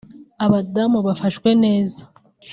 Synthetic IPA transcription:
aβadamuβafaʃkwe̞ne̞ːza

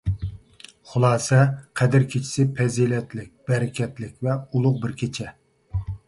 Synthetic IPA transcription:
χʊlˠɑːsɛqʰɛd̪ɪɾkʲʰet͡ʃʰi̥sɪpʰɛzilɛt̪lɪk̚ʲb̥ɛɾɪkʲɛt̪lɪkʲvɛulˠʊq̚bɪɾkʲʰet͡ʃʰɛ

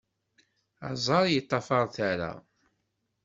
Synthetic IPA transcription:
ɑ̰zˤɑɾˤjət̪ˤːɑfɑɾˤθaɾa̰

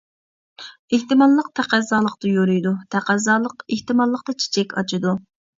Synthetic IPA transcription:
eht̪ɨmɑlˠːəq̚t̪ʰæqæzɑːlˠəq̚t̪ɨjoɾujd̪ut̪ʰæqæzɑːlˠəqeht̪ɨmɑlˠːəqd̪ɑt͡ʃʰe̥t͡ʃʰɛkʲɑ̰t͡ʃʰɪd̪u

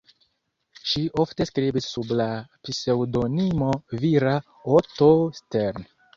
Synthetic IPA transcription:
ʃiʔo̞fte̞skɾibisːublapise̞wdo̞nimoviɾa | otosteɾn

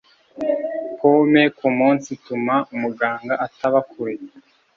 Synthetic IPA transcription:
komekumuːnsitumaʔumuɡaːŋɡaʔataβakʰuɾe

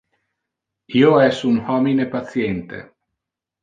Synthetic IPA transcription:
iːoɛsunhɔminepat̪sjɛnt̪ḛ

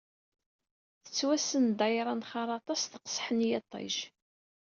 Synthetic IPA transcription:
θə̥t͡sːwæsənd̪ɑjɾˤɑnχɑɾˤɑt̪ˤɑsθə̥qə̥sˤħənjɑt̪ˤːɑ̰ʒ

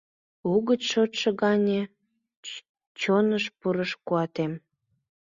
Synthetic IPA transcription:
uɣət͡sʃot̪ʃeɣɑnʲe | t͡ɕonəʃpuɾəʃkuɑt̪em

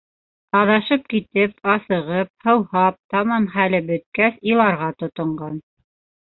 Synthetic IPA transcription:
ɑðɑʃɤp̚kit̪ɘpɑsɤ̆ʁɤp̚hɤ̆whɑp̚t̪ɑmɑnχælɘbɵ̆t̪̚kæsilˠɑɾʁɑt̪ŏt̪ŏɴɢɑn

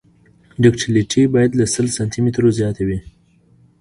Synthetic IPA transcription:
ɖɪkʈiliʈʰibɑjad̪lasəlsant̪ʰimet̪ɾozjɑt̪awi

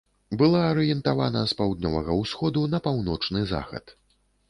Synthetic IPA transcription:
bɨlˠaɐɾɨjɛnt̪avanɐspawd̪nʲɔvɐ̰ɣɐwsxɔd̪unɐpawnɔt͡ʂnɨza̰xɐ̰t̪

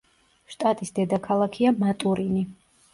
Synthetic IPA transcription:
ʃt̪ʼat̪ʼisd̪ɛd̪akʰalˠakʰiamat̪ʼuɾini

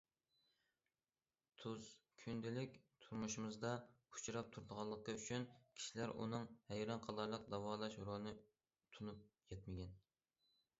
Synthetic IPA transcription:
t̪ʰuz̥kʲʰynd̪ɪlɪkʲt̪ʰuɾmuʃumɨzd̪ɑu̥t͡ʃʰɾɑp̚t̪ʰuɾd̪əʁɑlˠːəqəyt͡ʃʰynkʲʰi̥ʃilæɾʔṵnɨŋhæjɾɑnqʰɑlˠɑɾlˠəq̚d̪ɑwɑːlˠɑʃɾonɨ | t̪ʰunup̚jɛt̪̚mɪɡʲɛn

